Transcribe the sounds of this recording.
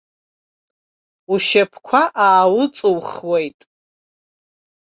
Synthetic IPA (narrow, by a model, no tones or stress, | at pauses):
uʃapʰkʷʰaʔaːwʊt͡sʼɨwχwejtʼ